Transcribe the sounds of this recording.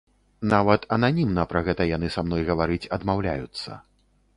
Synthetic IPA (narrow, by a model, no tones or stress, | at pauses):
navɐt̪ɐnanʲimnɐpɾɐɣɛt̪ɐjan̪ɨsamnɔjɣɐvaɾɨt͡sʲɐd̪mawlʲa̰jut̪sːɐ̰